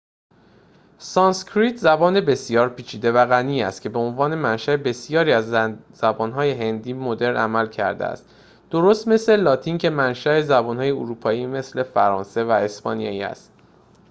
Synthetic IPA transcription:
sɒnskʰɾit̪ʰzæbɒːne̞be̞sijɒːɾpʰiːt͡ʃʰiːd̪e̞væɣæniːæ̰st̪cʰe̞be̞onvɒːne̞mænʃæebe̞sjɒːɾiːæzz̥æbɒːnɦɒːje̞ɦe̞nd̪iːmod̪e̞ɾnʔæmælcʰæ̰ɾd̪ḛæ̰st̪ | d̪̥oɾost̪me̞sle̞lɒːt̪ʰiːncʰe̞mænʃæe̞zæbɒːnhɒːje̞uɾuːpʰɒːjiːme̞sle̞fæɾɒ̰ːnse̞væe̞spɒ̰ːnijɒ̰ːiːæ̰st̪

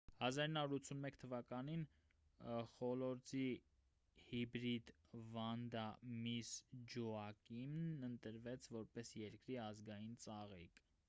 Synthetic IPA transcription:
hɑzɑɾinhɑuɾut͡sʰːunmɛkʰt̪ʰəvɑkɑnin | χɔlɔɾt͡si | hibɾid̪vɑnd̪ɑmisd͡ʒuɑkimnənt̪əɾvɛt͡sʰvɔɾpɛsjɛɾkɾiɑzɡɑjint͡sɑʁḭk

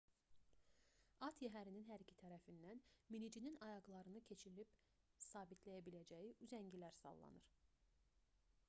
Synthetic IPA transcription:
ɑt̪ʰjæɦæɾininɦæɾicʰi̥t̪ʰæɾæfinːænminid͡ʒininɑjɑɡlˠɑɾɯnɯcʰe̞t͡ʃʰilib | sɑːbit̪ʰlæjæbilæd͡ʒæjiʔyzæɲɟilæɾsɑ̰lˠːɑ̰nɯɾ̥

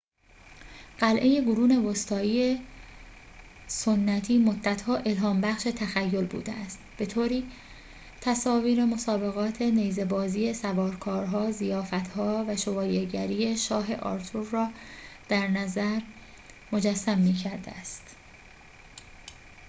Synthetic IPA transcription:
ɢ̥ælʔe̞je̞ɡoɾuːne̞vost̪ʰɒːiːe | sonːæt̪ʰiːmo̞d̪ːæt̪ʰhɒːʔe̞lɦɒːmbæχʃe̞t̪ʰæxæjːo̞lbṵːd̪eæst̪b̥e̞t̪ʰoːɾiː | t̪ʰæsɒːviːɾe̞mo̞sɒːbe̞ɣɒːt̪ʰe̞neːjze̞bɒːziːje̞sævɒːɾkʰɒːɾɦɒːzijɒːfæt̪hɒːvæʃo̞vɒːjeɟæɾiːe̞ʃɒːɦe̞̰ʔɒ̰ːɾt̪ʰuɾːɒːd̪̥æɾnæzæɾ | mo̞d͡ʒæsːæmːiːcʰæɾd̪ḛæst̪

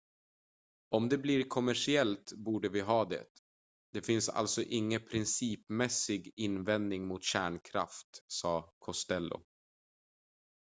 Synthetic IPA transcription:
ɔmd̪ɛbliːɾkʰɔmæʂɪɛlt̪buːɖəvɪɦɑːd̪ɛ̰t̪ | d̪̥ɛfɪnsa̰lt̪sɔʔɪŋːəpʰɾɪnsiːpmɛsɪɡɪnvɛnd̪nɪŋmʊt̪ɕæːɳkʰɾa̰ft̪sɑːkʰɔst̪ɛlːʊ̰

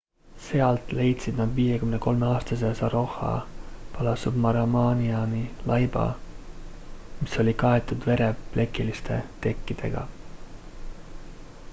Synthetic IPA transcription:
se̞ɑlt̪ˑle̞jt̪sid̪̥nɑd̪viːje̞kymne̞ko̞lmeɑːst̪ɑs̬e̞sɑɾo̞hɑ̰pɑlɑsubmɑɾɑmɑːniɑnilɑjb̥ɑ̰ | miso̞lʲikɑe̞t̪ːˑud̪ve̞ɾe̞ple̞kːˑilist̪ʰe̞t̪e̞kːid̪̥e̞̰ɡ̥ɑ̰

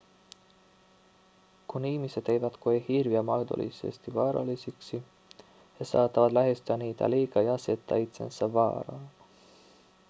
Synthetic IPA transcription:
kunːihmised̪̥ejvæt̪koehirviɑmɑjd̪o̰lḭsḛst̪ivɑːɾɑ̰lisiksi | hesɑːt̪ːˑɑvɑd̪læɦest̪yɑniːt̪æ̰liːkɑjɑse̞t̪ˑːɑ̰it̪sḛnsɑvɑ̰ːɾɑ̰

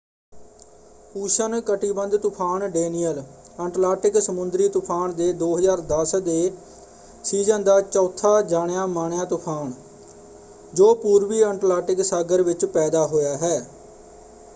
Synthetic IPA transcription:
puːʃənkəʈiːbənd̪t̪ʊpʰaːɳɖeːniːjəl | ɛːɳʈlaːʈɪksəmʊnd̪ɾiːt̪ʊpʰaːɳd̪eːd̪oːɦəzaːɾd̪əsd̪eː | siːzə̃nd̪aːt͡ʃɔːt̪ʰːaːd͡ʒaːɳjaːmaːɳjãːt̪ʊpʰaːɳ | d͡ʒoːpuːɾʋiːɛ̃ɳʈlaːʈɪksaːɡəɾʋɪt͡ʃpɛːd̪aːɦoːjaːɦɛː

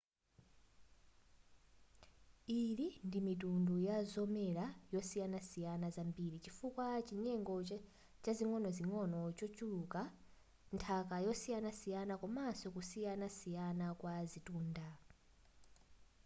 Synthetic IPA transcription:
ilindimitundujazɔmɛɾajɔsijanasijanazambiːɾit͡ʃifukwat͡ʃiɲɛŋɡɔ | t͡ʃaziŋɔnɔziŋɔnɔt͡ʃɔt͡ʃuluka | ntʰakajɔsijanasijanakɔmasɔkusijanasijanakwazituːnda

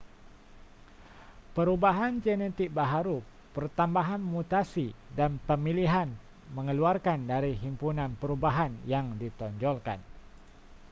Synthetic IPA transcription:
pəɾubaɦand͡ʒɛnɛt̪ik̚baɦaɾu | pərt̪ambaɦanmut̪asidanpəmiliɦan | məŋəluarkandaɾiɦimpunanpəɾubaɦanjaŋdit̪ɔɲd͡ʒɔlka̰n

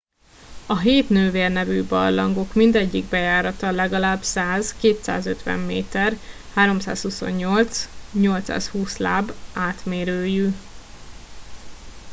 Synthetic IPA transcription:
ɒɦeːt̪nøːveːrnɛvybɒ̰rlɒŋɡo̞kmind̪ɛɟːiɡ̚bɛjaːɾɒt̪ɒlɛɡɒlaːbsaːzkeːt̪sa̰ːzøt̪ʋɛ̰mːḛːt̪ɛr | haːɾo̞msa̰ːshuso̞̰ɲːo̞lt̪sɲo̞lt̪sa̰ːshuːsla̰ːbaːt̪meːɾøːjy

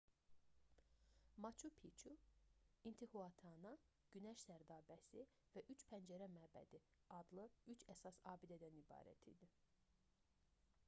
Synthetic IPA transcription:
mɑt͡ʃʰupʰit͡ʃʰu | int̪ʰihuɑt̪ʰɑnɑ | ɟ̥ynæʃsæɾd̪ɑːbæsivæʔyt͡ʃpʰænd͡ʒæɾæmæːbæ̰d̪iɑd̪lˠɯyt͡ʃʰæsɑsɑːbid̪æd̪ænibɑ̰ːɾæ̰t̪ʰḭd̪i

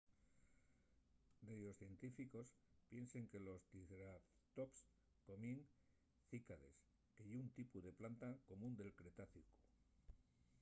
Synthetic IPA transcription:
d̪ejosθje̞nt̪ifiko̞spje̞nse̞ŋke̞lo̞st̪iɣɾat̪ops | ko̞mieŋ | θikaðe̞̰s | keʝeunt̪ipuðe̞plant̪ako̞mũnd̪e̞lkɾe̞t̪aθiku̥

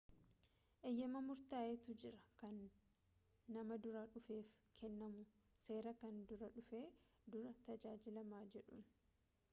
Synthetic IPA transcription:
ʔɛjːɐmɐmʊɾt̪aːʔɛt̪ʊd͡ʒɪɾɐkɐn | ɐmɐd̪ʊɾɐᶑʊfe̞ːfkʰɛnːɐmʊse̞ːɾɐkɐnd̪ʊɾɐᶑʊfeː | d̪ʊɾɐt̪ɐd͡ʒaːd͡ʒɪlɐmaːd͡ʒɛᶑṵːn

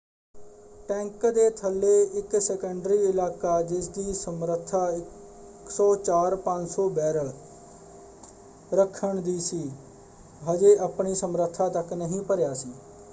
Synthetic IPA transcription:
ʈɛ̃ːŋkd̪eːt̪ʰəlːeːɪksɛːkəɳɖɾiːɪlaːkaːd͡ʒɪs̬d̪iːsəmɾət̪ʰːaːɪ | ksɔːt͡ʃaːɾpə̃ɲd͡ʒsɔːbɛːɾə | ɾəkʰəɳd̪iːsiː | ɦəd͡ʒeːʔəpɳiːsəmɾət̪ʰaːt̪əknəɦĩːpəɾjaːsiː

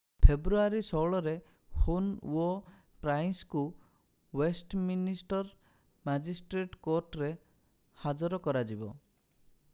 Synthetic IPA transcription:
pʰebɾuaɾisɔwɭɔɾe | hunṵo | pɾajnsku | wesʈminisʈɔɾ | mad͡ʒisʈɾeʈkoɾʈɾe | had͡ʒɔɾɔkɔɾad͡ʒibɔ̰

